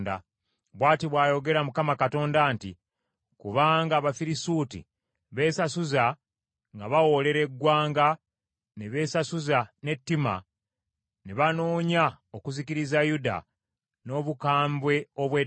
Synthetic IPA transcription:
da̰ | βwaːtiβwaːjo̞ɡe̞ɾamukamakato̞ːndaːnti | kuβaːŋɡaːβafiɾisuːtḭ | βe̞ːsasuza | ŋɡaβawo̞le̞ɾe̞ɡːwaːŋɡa | neβe̞ːsasuzane̞tːima̰ | neβano̞ːɲa | okuziciɾizajuda̰ | no̞ːβukaːmbwe̞o̞βwe

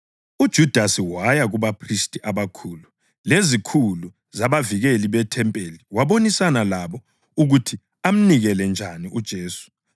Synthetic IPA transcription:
ud̥ʒ̥ʱud̥ʱasiwajaɣuβapʰristʼiʔaβakʰuːlu | lezikʰulu | zaβaviɣeliβɛtʰɛmpʼeliwaβonisanalaβɔ | uɣutʰi | am̩niɣɛlɛnd͡ʒʱaniud̥ʒ̥ʱeːsu̥

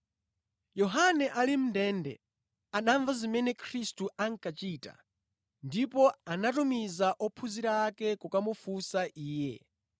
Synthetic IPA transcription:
jɔɦanɛʔalim̩ndɛndɛ̰ | anaɱvazimɛnɛkʰɾistuʔaŋkat͡ʃita̰ | ndipɔanatumizaʔɔpʰuziɾaːkɛkukamufusaʔiːjɛ̰

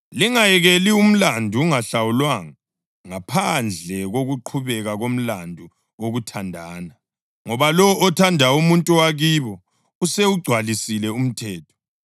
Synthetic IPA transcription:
liŋajɛɣelium̩landʱuːŋaɬawulwaŋa | ŋapʰand͡ɮʱɛɣoɣuǃʰuβɛɣaɣom̩landʱu | oɣutʰandʱaːna | ŋɔβalɔʔɔtʰandʱaumuntʼuwaɣiːβɔ | useuɡ͡ǀʱwalisilɛum̩tʰɛːtʰɔ̥

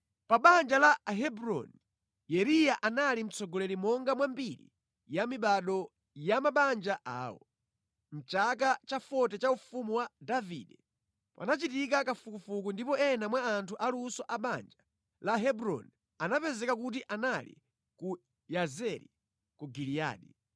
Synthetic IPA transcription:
paɓand͡ʒalaɦɛbɾɔ̰ni | jɛɾijaʔanalim̩t͡sɔɡɔlɛɾimɔŋɡamwambiɾḭ | jamiɓaɗɔ | jamaɓand͡ʒaʔa̰ːwɔ̰ | m̩t͡ʃakat͡ʃafɔtɛt͡ʃaufumuwadavḭːɗɛ | pa̰nat͡ʃitik̬akafukufukundipɔɛnamwaːntʰuʔalusɔʔaɓand͡ʒa | laɦɛbɾɔ̰ni | anapɛzɛkak̬utiʔanalḭ | ku | jazɛɾḭ | kuɡilija̰ːɗḭ

